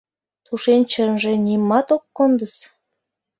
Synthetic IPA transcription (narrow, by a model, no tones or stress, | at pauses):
t̪uʃenʲt͡ɕənʒenʲimːɑt̪okːond̪əs